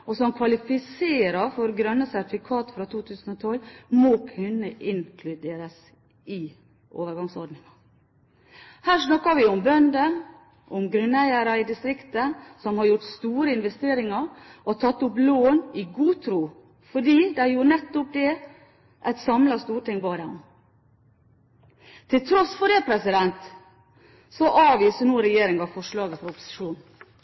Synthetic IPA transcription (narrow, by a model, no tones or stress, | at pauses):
ɔsɔmkʰʋɑlɪfɪseːɾɑfɔɾɡɾœnːəsæɾt̪ɪfɪkʰɑːt̪fɾɑt̪ʰuːt̪ʰʉːsən̩ɔt̪ʰɔlmoːkʰʉnːəʔɪŋkʰlʉd̪eːɾəs | ɪ | ʔo̰ːʋəɾɡɑŋsɔɾɖnɪŋɑ | hæːʂnɑkːɑʋɪɔmbœnd̪ə | ʔɔmɡɾʉnæɪəɾɑɪd̪ɪst̪ɾɪkt̪əsɔmhɑɾjʊʈst̪uːɾəɪnʋɛst̪eːɾɪŋɑɾʔɔt̪ʰɑt̪ːʊp̬loːnɪɡuːt̪ʰɾuː | fɔɖiːd̪æɪjuːɾnɛt̪ːʊp̚d̪ɛ | ʔæɪt̪sɑmlɑst̪uːʈɪŋbɑːd̪ɛɔm | t̪ʰɪlt̪ʰɾɔsfɔɖɛpʰɾɛsɪd̪ɛnt̪ | sɔʔɑːʋiːsənuːɾɛjeːɾɪŋɑfɔʂɭɑːɡəfɔɾɔpʊ̥sɪ̥ʂuːn